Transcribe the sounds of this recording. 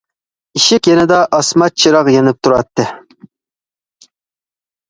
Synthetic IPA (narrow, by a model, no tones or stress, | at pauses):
iʃɪkʲjenɪd̪ɑʔɑsmɑt͡ʃʰiɾɑqjenɪp̚t̪ʰuɾɑt̪ʰːɨ